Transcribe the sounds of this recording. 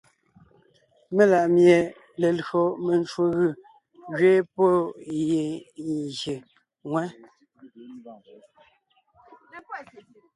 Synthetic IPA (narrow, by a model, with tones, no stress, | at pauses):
me˦la˨ʔmje˨ | le˨lɣo˨me˨nt͡ʃwo˨ɣɯ˦˨ | ɣɥe˦po˦˨je˨nze˨ | ŋwɛ˦